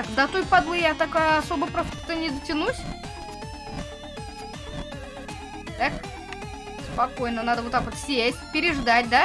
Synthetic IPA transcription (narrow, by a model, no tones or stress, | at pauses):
akd̪ɐt̪ojpɐd̪lˠɨjat̪akajɐsobəpɾost̪ət̪ənʲɪd̪ətʲɪnusʲ | t̪ak | spɐkojnənad̪əvot̪ːakot̪sʲesʲtʲpʲɪɾʲɪʐd̪atʲd̪a